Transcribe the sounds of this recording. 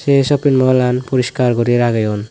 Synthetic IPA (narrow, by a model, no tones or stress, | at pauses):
sesɔpinmɔlanpuɾiskaɾɡɔɾiɾaɡajɔn